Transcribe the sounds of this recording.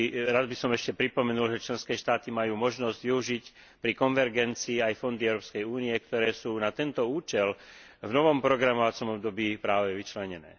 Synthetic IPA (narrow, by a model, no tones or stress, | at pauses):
ɾad̪bisɔmɛʃcɛpɾipɔmɛnulʒɛt͡ʃlɛnskɛːʃt̪aːt̪imajuːmɔʒnɔzɟʋiuʒic | pɾikɔnʋɛɾɡɛnt͡siːajfɔnd̪iɛʊɾɔːpskɛjuːniɛkt̪ɔɾɛːsuːnat̪ɛnt̪ɔuːt͡ʃɛl | vnɔʋɔmpɾɔɡɾamɔʋat͡sɔmɔbd̪ɔbiːpɾaːʋɛʋit͡ʃlɛɲɛnɛ̰ː